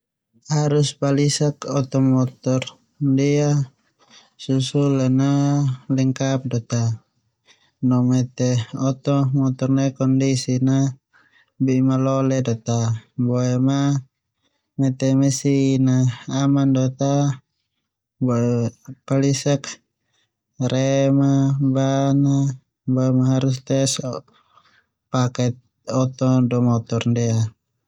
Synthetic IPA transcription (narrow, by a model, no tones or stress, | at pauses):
haɾuspalisakɔt̪ɔmɔt̪ɔr | dia | susulanalɛŋkap̚dɔt̪a | nɔmɛt̪ɛɔt̪ɔmɔt̪ɔrnɛkɔndisina | bimalɔlɛdɔt̪abɔɛma | mɛt̪ɛmɛsinaːmandɔt̪a | bɔɛpalisak | ɾɛmabana | bɔɛmaɦaɾus̬t̪ɛs | pakɛt̪̚ | ɔt̪ɔdɔmɔt̪ɔrndɛa